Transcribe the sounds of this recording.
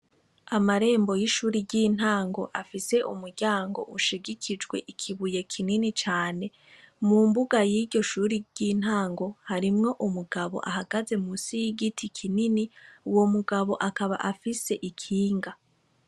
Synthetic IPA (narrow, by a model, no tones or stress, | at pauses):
amaɾe̞ːmbo̞jiʃuːɾiɟiːn̥aːŋɡo̞ʔafise̞ʔumuɾɟaːŋɡo̞̰ʔuʃiɡikʰid͡ʒɡwe̞̰ʔikʰiβuje̞kʰininit͡ʃaːne̞ | mumbuɡajiɾɟo̞ʃuɾiɟ̥in̥haːŋɡo̞haɾimŋo̞ʔumuɡaβo̞̰ʔaɦaɡaze̞musiɡitʰikʰininiwo̞muɡaβo̞ʔakaβa̰ʔafise̞ʔikʰiːŋɡa